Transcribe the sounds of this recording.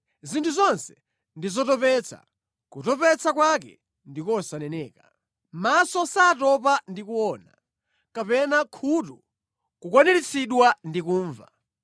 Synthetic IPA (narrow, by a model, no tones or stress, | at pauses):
zintʰuzɔnsɛ̥ | ndizɔtɔpɛt͡sʰa̰ | kutɔpɛt͡sʰak̬wak̬ɛ̰ | ndikɔsanɛnɛːka | masɔsaːtɔp̬andikuwɔːna̰ | kapɛnakʰutu | kukwɔnɛɾit͡sʰiɗwandikuːɱva̰